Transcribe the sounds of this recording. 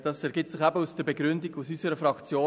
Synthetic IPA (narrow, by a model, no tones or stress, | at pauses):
d̥ɑsɛɾɡ̥ɪsɪχæbəusd̥əɾbeɡɾʏndɪɡusysəɾəfɾɑkt͡sjoː